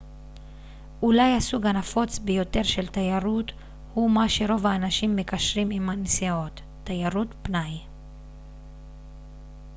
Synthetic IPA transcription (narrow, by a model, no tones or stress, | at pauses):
ʔulajhasuɡanafo̞t͡sbejo̞t̪e̞ʁʃe̞lt̪ajaʁut̪ | humaʃe̞ʁo̞vaːnaʃimːekaʃʁimimhansio̞t̪ː | ajaʁutpnaj